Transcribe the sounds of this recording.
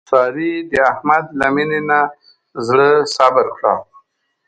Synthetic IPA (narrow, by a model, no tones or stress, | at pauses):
sɑːɾid̪əahmad̪laminena | zɽəsabəɾkɽa̰